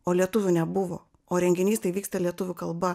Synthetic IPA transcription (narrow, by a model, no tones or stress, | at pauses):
oːlʲiɛt̪ʊʋʲʊnʲɛbʊʋo̰ː | oːɾʲɛŋʲɡʲɪnʲiːst̪ɐɪʋʲiːkst̪ɐlʲiɛt̪ʊʋʲʊkɐlˠbɐ